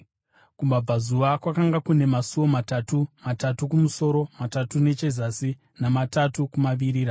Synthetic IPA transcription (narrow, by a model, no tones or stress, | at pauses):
kumab͡vazuʋakwakaŋɡakune̞masuwo̞matatumatatukumuso̞ɾo̞matatune̞t͡ʃe̞zasi | namatatukumaʋiɾiːɾa